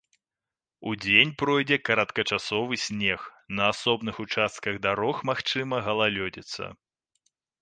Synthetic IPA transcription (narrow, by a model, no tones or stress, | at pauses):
ud͡zʲenʲpɾɔjd͡zʲɛkɐɾɐt̪kɐt͡ʂasɔvɨsʲnʲɛxnɐasɔbnɨxut͡ʂast̪̚kɐɣd̪aɾɔxmaxt͡ʂɨmɐɣɐlˠalʲɔd͡zʲɛt̪sːɐ̰